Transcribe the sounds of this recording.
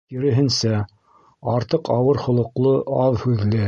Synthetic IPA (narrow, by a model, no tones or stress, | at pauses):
kiɾɘ̆ɦɘ̆nsæ | ɑɾt̪ɤqɑwɤɾχŏlˠŏqlˠɤʔɑðhʉðlɘ